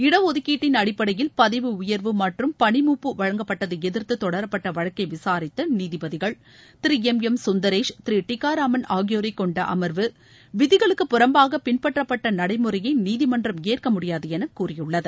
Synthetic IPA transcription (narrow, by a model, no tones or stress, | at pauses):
ɪɽɐʋɔðɯkːiːʈːɪnɐɽɪpːɐɽɐjɪlpɐðɐɪʋɯʊjɐɾʋɯmɐʈrɯmpɐɳɪmuːpːɯʋɐɻɐŋɡɐpːɐʈːɐðɯɛðɪɾt̪ɯt̪ːɔɽɐɾɐpːɐʈːɐʋɐɻɐkːɐɪʋɪsaːɾɪt̪ːɐniːðɪbɐðɪɣɐɭ | t̪ɪɾiɛmɛmsʊnd̪ɐɾeːʂt̪ɪɾiʈɪkːaːɾaːmɐnaːɣɪjoːɾɐkːɔɳɖɐʔɐ̰mɐɾʋɯ | ʋɪðɪɣɐɭɯkːɯpːʊɾɐmbaːɣɐpɪnpɐʈrɐpːɐʈːɐnɐɽɐɪmɯɾɐjɐɪniːðɪmɐndrɐmeːrkɐmʊɽɪjaːðɯɛnɐkːuːrɪjɯɭːɐðɯ